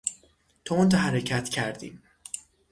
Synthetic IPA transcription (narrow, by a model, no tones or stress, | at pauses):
t̪ʰount̪ɒɦæɾecʰæt̪cʰæɾd̪ḭm